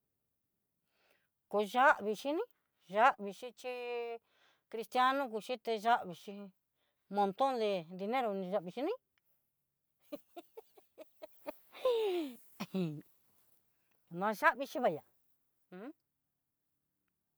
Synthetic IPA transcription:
ko˧ʒa˦ʔβi˧ʃi˧nĩ˦ | ʒa˦ʔβi˧ʃi˧t͡ʃi˦ | kɾi˧st̪ja˦nũ˦k̬u˧t͡ʃi˦t̪e˧ʒa˦ʔβi˧t͡ʃi˧ | mõ˧nt̪õ˦nd̪e˧nd̪i˧nẽ˦ɾo˧nĩ˧ʒa˧ʔβi˧ʃi˧nĩ˦˨ | nã˧ʒa˦ʔβi˧t͡ʃi˧βa˧˨jã˨˧˦

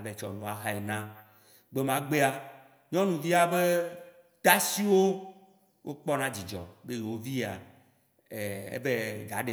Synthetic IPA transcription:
le˨t͡ʃɔ̰˨nɔ̃˨a˨ɦa˦e˨nã˦ | ɡ͡be˦mã˦ɡ͡be˦a˨ | ɲɔ̃˦nũ˨vi˦a˦be˦ | t̪a˦si˦wo˦ | wʔo̰˦k͡pɔ˦nã˦d͡ʑi˨d͡ʒɔ̰˨be˦je˨wo˦vi˦˨a̰˨ | e˨ḛ˦be˦da˨ɖe˨

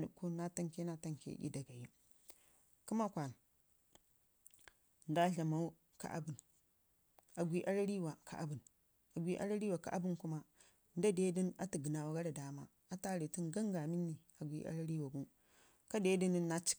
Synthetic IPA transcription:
nṵ˨kːo˦na˦ta˦ŋke˦na˦ta˦ŋkḛ˦ḭ˦da˨ɡa˨ji˦ | ku˦ma˦kʷa˨n˨ | n˦da˦ɬa˨ma˨u˦ | ka̰˨ʔa̰˦bu˨n | a˨ɡʷi˨ʔa˦ɾa˦ɾi˦wa˨ka̰˨ʔa̰˨bu˨n | a˨ɡʷi˦ʔa̰˦ɾa˦ɾi˦wa˨ka̰˨ʔa˦bu˦nku˦ma˦ | n˦da˦de˦di˦na˦ti˨ɡə˨na˨wa˨ɡa˦ɾa˨da˨ma˦ | a˦ta˦ɾi˨ti˦nɡa˦ŋɡa˨mi˦nːi˨ | a˨ɡʷḭ˨˦ʔa̰˦ɾa˦ɾi˦wa˨ɡu˦ | ka˦de˦di˦ni˦nːa˦t͡ʃi̥˦

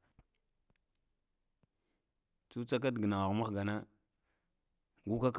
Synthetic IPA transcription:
t͡su˦t͡sa˦k̬a˦dɡə˨na˨wa˨ɣma˦xɡa˨na˦ | ɡu˦ka˦k

